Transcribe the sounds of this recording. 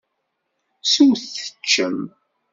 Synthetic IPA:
suwθə̥t͡ʃːəm

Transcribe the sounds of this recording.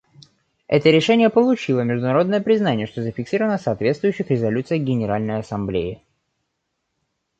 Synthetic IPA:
ɛ̰t̪əɾʲɪʂɛnʲɪjəpəlˠʊt͡ɕilˠəmʲɪʐd̪ʊnɐɾo̞d̪nəjəpɾʲɪznanʲɪjəʂt̪ozəfʲɪksʲiɾəvənəsɐːt̪vʲetst̪vʊjʏɕːɪxɾʲɪzɐlʲut̪sɨjɡʲɪnʲɪɾalʲnəjɐsɐmblʲeɪ

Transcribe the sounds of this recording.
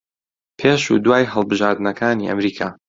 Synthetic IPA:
pʰeːʃṵd̪waːjɦəlˠbɨʒaːɾd̪ɨnɐkʰaːniːʔɐ̰mɾiːkʰaː

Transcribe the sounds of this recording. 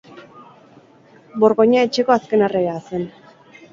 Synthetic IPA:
bo̞ɾɣo̞ɲae̞t͡ʃe̞ko̞aske̞nareɾaːse̞n

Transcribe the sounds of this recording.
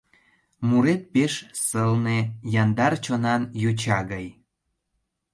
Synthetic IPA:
muɾet̪̚peʃsəlnejɑnd̪ɑrt͡ɕonɑnjut͡ɕɑɣəj

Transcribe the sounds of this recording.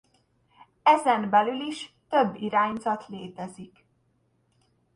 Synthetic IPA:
ɛzɛmbɛlyliʃt̪ø̞bːiɾaːɲzɒt̪leːt̪ɛzik

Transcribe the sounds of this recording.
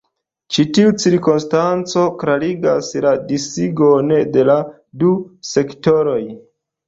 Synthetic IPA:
t͡ʃitiut͡siɾkonstant͡so̞kɾaɾiɡa̰sladisiɡonede̞la | duse̞ktoɾo̞j

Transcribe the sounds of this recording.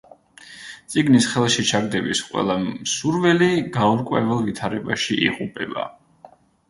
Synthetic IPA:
t̪sʼiɡnisχɛlˠʃit͡ʃʰaɡd̪ɛbisqʼwɛ̰lˠamsuɾvɛliɡaɔɾkʼwɛvɛlˠvit̪ʰaɾɛbaʃiʔḭʁupʼɛba̰

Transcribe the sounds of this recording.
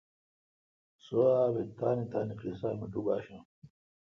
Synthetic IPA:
soaːβet̪aːnit̪aːniqlisaːmiʈuba̰ːɕã

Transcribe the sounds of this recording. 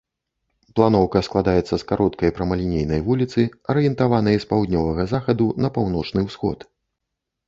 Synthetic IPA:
plˠanɔwkɐsklˠad̪ajɛt̪sːɐskaɾʔɔt̪kɐjpɾɐmɐlʲinʲejnɐjvulʲit̪sɨɐɾɨjɛnt̪avanɐjɐspawd̪ʲnʲɔvɐɣɐzaxɐd̪unɐpawnɔt͡ʂnɨwsxɔ̰t̪

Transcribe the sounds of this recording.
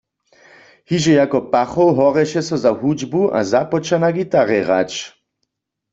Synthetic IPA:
hiʒɛjakɔpaχɔwɦɔʁɛʃɛsɔzaɦud͡ʒbuʔa̰zapɔt͡ʃanaɡit̪aʁɛʁa̰t͡ʃ

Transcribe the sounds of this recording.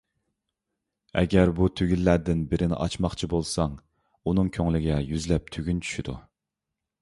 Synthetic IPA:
ɛ̰ɡʲɛɾbut̪ʰøɡʲylːæɾd̪ɪnbɪɾɪnɪ̰ʔɑt͡ʃmɑχt͡ʃʰibolˠsɑŋ | unɨŋkʲʰøŋlɪɡʲɛjyzlɛp̚t̪ʰyɡʲynt͡ʃʰy̥ʃyd̪u

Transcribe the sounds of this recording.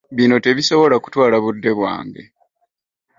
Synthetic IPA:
βino̞te̞βiso̞βo̞laku̥twaːlaβudːe̞βwa̰ːŋɡḛ

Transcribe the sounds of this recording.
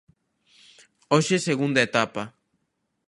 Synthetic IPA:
oʃeseɣund̪aet̪apa

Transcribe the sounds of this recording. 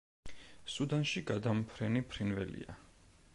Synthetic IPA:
sud̪anʃiɡad̪ampʰɾɛnipʰɾinvɛ̰lḭa̰

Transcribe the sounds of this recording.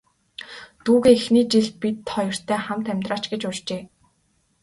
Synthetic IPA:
t̪uːɣeːixniːt͡ɕiɮpit̪χɔjɞ̆r̥t̪ʰæːχamt̪æmʲt̪raːt͡ɕɡet͡ɕʊrt͡ɕeː

